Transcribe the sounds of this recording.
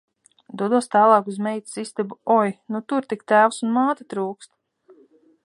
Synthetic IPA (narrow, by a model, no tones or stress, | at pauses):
d̪uɔd̪uɔst̪aːlˠɑːkuzmɛjt̪i̥sist̪ebuɔjnut̪uɾt̪ikt̪æːwsunmaːt̪at̪ɾuːkst̪